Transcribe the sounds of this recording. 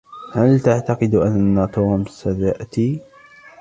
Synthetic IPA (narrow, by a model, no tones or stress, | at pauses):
halt̪aʕt̪ɑqɨd̪ʔanːat̪uːmsat̪aʔt̪i